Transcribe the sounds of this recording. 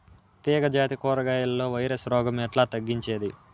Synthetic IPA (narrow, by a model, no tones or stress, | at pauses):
t̪iːɡɐd͡ʒaːt̪ikɔːɾɐɡaːjɐlɐlːo̞ːʋɐjɾesɾɔːɡɐmɛʈlaːt̪ɐɡːiɲt͡ʃeːd̪i